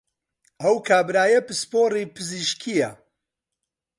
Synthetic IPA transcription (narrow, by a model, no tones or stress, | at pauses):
ɐwkʰaːbɾaːjɐpɨspoːriːpɨziʃkʰijɐ